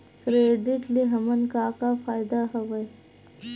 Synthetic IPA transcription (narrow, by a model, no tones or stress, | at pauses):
kɾeːɖɪʈliɦɐmənkaːkafʰaːjd̪aɦɐʋɐj